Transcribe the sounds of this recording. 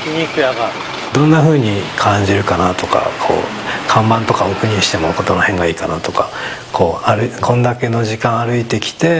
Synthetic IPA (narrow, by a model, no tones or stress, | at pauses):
kʲiɲikɯjaɡa | d̪õ̞nːaɸɯ̟ːɲ̟ikʰãɲ̟d͡ʑiɾɯ̟kanat̪o̞ka̰kʰo̞̰ː | kʰãmbãnt̪o̞kaokɯ̟ɲ̟ĩɕi̥t̪e̞moko̞t̪o̞nohẽ̞ŋɡaiːkanat̪o̞kḁkʰo̞ːaɾɯkʰõ̞nd̪ake̞no̞ʑikãɰ̃aɾɯ̟it̪e̞kʲi̥t̪e̞